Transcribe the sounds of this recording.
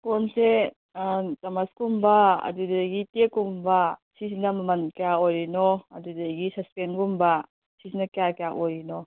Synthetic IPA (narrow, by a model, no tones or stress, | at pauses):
konse | tamaskumbaɐ̰dudɡitekumbasisinɐmɐmankeaoɾinɔɐdudaɡisɐspenɡumba | sisinɐkeakejaʔoɾinɔ